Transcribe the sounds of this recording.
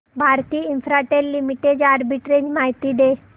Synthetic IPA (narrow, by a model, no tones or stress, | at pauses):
bʱaɾt̪iːinfɾaʈellimiʈed͡ʑaɾbiʈɾed͡ʑmaɦit̪iːd̪e